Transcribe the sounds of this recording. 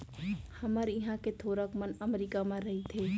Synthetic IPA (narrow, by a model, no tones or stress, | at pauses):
hɐməɾjɪɦãket̪ʰoːɾakmənɐmɾiːkamãɾɐɦit̪ʰeː